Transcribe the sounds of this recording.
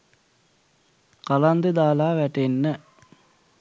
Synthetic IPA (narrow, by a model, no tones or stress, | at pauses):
kaland̪əd̪aːlaːʋæʈenːə